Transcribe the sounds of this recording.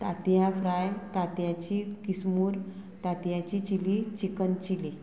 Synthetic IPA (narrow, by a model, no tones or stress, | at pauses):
t̪at̪jãfɾajt̪at̪jãt͡ɕikismuːɾt̪at̪jãt͡ɕit͡ɕilit͡ɕikənt͡ɕili